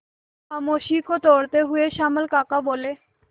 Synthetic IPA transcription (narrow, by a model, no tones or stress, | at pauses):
amoʃikot̪oɾt̪eɦueʃaməlkakabole